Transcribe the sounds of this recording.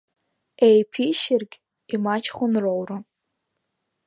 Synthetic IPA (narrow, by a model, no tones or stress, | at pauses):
ejpʰiʃɪrɡʲ | imat͡ʃʰχʷʊnrowrɨ